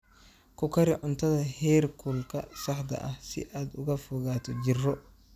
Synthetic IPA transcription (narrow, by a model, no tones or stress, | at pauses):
kʊkɐɾɪʔʊnt̪ʰɐðɐhɛːɾkʰulkɐ̰ʃɐħd̪ɐ̰ʔɐhsɪ̰ʔaːd̪ʊɣɐfʊɣaːt̪ɔd͡ʒɪrːɔ